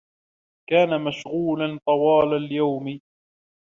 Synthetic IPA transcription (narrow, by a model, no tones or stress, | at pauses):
kaːnamaʃɣuːlant̪ˤɑwɑːlaljawm